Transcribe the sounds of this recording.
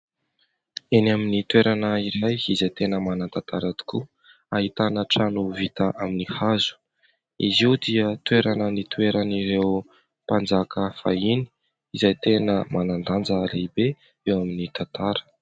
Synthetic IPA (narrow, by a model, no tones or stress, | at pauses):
enaminit̪weɾanəiɾajizajt̪enəmanat̪at̪ʰaɾad̪i̥ku | ahit̪anəʈ͡ʂanuvit̪əʔaminihazu̥ | iziwd̪iət̪weɾanənit̪weɾaniɾew | pand͡zakʰəfa̰ini̥ | izajt̪enəmanand̪and͡zəleibe | ewaminit̪at̪aɾə̥